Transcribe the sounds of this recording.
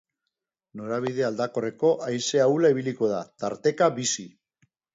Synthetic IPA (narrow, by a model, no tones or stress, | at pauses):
no̞ɾaβ̞iðe̞ald̪ako̞re̞ko̞ʔajse̞awlaiβiliko̞ð̞at̪aɾt̪e̞kaβisi